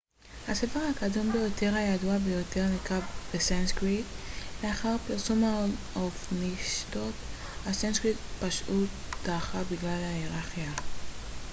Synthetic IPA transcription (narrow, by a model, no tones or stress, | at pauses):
hasefeʁhakadombe̞jo̞te̞ʁhajaduabejo̞teʁnikabb̥esanskʁitleaχaʁpiʁsuma | ofniʃto̞t | hasenskʁitpaʃʔut̪aχabiɡlalhaeʁaχia